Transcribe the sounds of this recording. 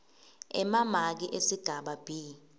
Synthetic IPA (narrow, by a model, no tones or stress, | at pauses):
ɛ̰mamak̬iʔesiɡ̥ʱaɓab̥ʱiː